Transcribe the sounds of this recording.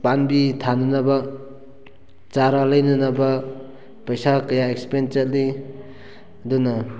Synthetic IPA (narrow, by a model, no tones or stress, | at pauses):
panbitʰanɯnaba | t͡ʃaɾalajnɯnaba | pɐjsakɐjaekspent͡ʃet̚li | duna